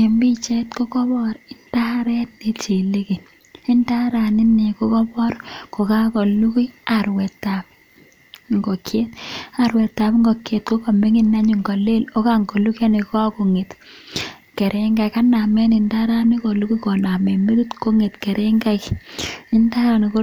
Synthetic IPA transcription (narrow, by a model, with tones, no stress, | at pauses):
me˨mbi˦t͡ʃɛ˦tko˦kɔ˦bɔ˦ɾɪ˦nda˦ɾɛ˦tni˦t͡ʃi˨le˦ki˨ | ɪ˦nda˦ɾa˨ni˦ne˨ko˦kɔ˦bɔ˦ɾko˨ka˦kɔ˨lu˦ki˦a˨ɾwɛ˨tːa˨p̚ | ŋɡɔ˨kʰje˦ta˨ɾwɛ˨tːa˨pŋɡɔ˨kje˨t̚ko˦ko˨me˦ŋi˦na˦ɲu˨ŋɡɔ˨le˦lo˦ka˦ŋɡɔ˨lu˦ka˦ni˨kɔ˦ko˨ŋe˨t | ke˨ɾʔe˦ŋɡa˨ka˦na˨mɛ˦nɪ˨nda˦ɾa˦ni˦ko˨lu˦ki˦kɔ˨na˨mɛ˨me˦ɾu˦tko˦ŋe˨tkɛ˨ɾʔe˦ŋɡa˦ki˦nda˦ɾa˨ni˨ko˦